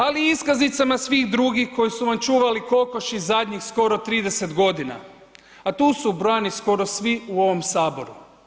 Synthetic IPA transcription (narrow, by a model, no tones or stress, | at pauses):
aliiskaznit̪samasʋiɣd̪ɾuɡixko̞jisuʋamt͡ʃuːʋaliko̞ko̞ʃizad̪ʲɲixsko̞ɾo̞t̪ɾiːd̪e̞se̞t̪ɡo̞d̪ina̰ | at̪uːsubɾanisko̞ɾo̞sʋiuo̞ʋo̞msaːbo̞ɾu